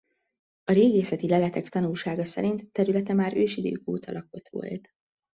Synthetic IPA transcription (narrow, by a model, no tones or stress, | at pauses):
ɒɾeːɡeːsɛt̪ilɛlɛt̪ɛkt̪ɒnulʃaːɡɒsɛ̰ɾint̪ːɛɾylɛt̪ɛmaːɾøːʃid̪ø̰ːko̰ːt̪ʰɒlʔɒko̞t̪ʋo̞̰lt̪